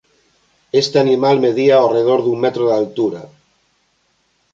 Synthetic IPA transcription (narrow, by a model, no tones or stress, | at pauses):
est̪eanimalmeðiaoreð̞oɾðummet̪ɾoðalt̪uɾa